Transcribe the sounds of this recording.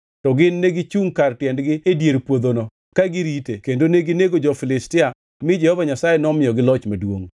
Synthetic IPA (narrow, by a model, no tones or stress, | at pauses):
tɔɡɪnːeɡɪt͡ʃuŋkartjɛndɡɪedjeɾpwod̪onɔ | kaɡɪɾitekendoneɡɪneɡod͡ʒɔfɪlɪstɪa | mɪd͡ʒɛhɔvaɲasajenɔmɪjɔɡɪlɔt͡ʃmadwoŋ